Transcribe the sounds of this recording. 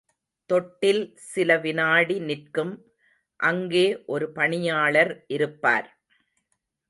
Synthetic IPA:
t̪ɔʈːɪlsɪlɐʋɪnaːɽinɪrkɯm | ʔɐŋɡeːʔɔɾɯpɐɳɪjaːɭɐɾʔɪɾɯpːa̰ːɾ

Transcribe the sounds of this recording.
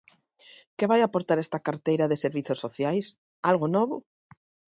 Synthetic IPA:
keβajapoɾt̪aɾɛst̪ɐkaɾt̪ejɾaðeseɾβiθosːoθjajs | alɣʊnɔβʊ

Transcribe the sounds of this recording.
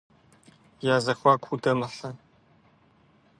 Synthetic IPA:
jaːzɐxʷaːkʷʰudɐmɨɬɐ

